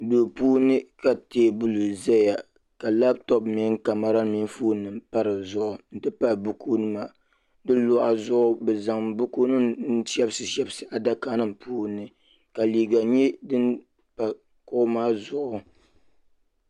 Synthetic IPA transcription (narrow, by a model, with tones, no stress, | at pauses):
do˨puː˦nɨ˦ka˨teː˦˨bu˦lu˨zɛ˦ja˨ | ka˨la˦btɔ˦bmɪ˦ŋka˨ma˨ɾa˦mi˦nfuː˦nɨ˨mpa˦ɾɨ˨zʊ˦ʔʊ˨n̩˦tɨ˦pa˦bu˦kʰu˦nɨ˦ma˨ | dɨ˦lʊ˦ʔa˨zʊ˦ʔʊ˦bɛ˨za˨ŋbu˦ku˦nɨ˦tɛ˦bsɨ˨ʃɛ˦bsɨ˨ʔa˨da˦kaː˦nɨ˦˨mpuː˦nɨ˦ | ka˨liː˨ɡa˨ɲɛ˦dɨ˦n | pa˨ | kʊ˦ʊ˦maː˦zʊ˨ʔʊ˦